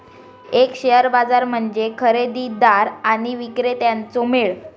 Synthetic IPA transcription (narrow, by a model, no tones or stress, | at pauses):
ekɕeɦəɾbad͡zaɾm̤əɳd͡ʑekʰəɾed̪iːd̪aɾaɽ̃iʋikɾet̪jant͡someɭ